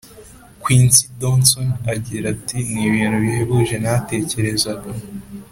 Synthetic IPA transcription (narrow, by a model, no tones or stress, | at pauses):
kwiːnsidonsonaɟiɾatiniβiːnhuβiheβuʒe̞nate̞ːce̞ɾe̞zaɡo